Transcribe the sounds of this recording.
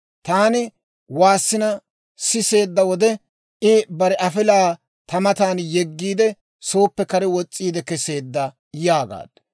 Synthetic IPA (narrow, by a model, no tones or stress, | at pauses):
t̪aːnɪ | waːsːɪnɐ | sɪse̞ːd̪ːɐwɔd̪ɛ | ʔɪbɐɾɛʔɐfɪlaː | t̪ɐmɐt̪aːnjɛɡːiːd̪ɛ | so̞ːpːɛkɐɾɛwɔt͡sʼːiːd̪ɛkɛseːd̪ːɐ | jaːɡa̰ːd̪̥